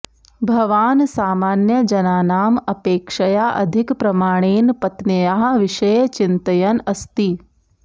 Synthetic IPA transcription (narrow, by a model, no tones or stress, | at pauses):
bʱɐʋaːnsaːmaːnjɐd͡ʒɐnaːnaːmɐpeːkʃɐjaːʔɐ̰d̪ʱɪkpɾɐmaːɽ̃eːnpɐt̪nɐjaːɦ̆ʋɪʃɐjt͡ʃint̪ɐjɐnɐst̪i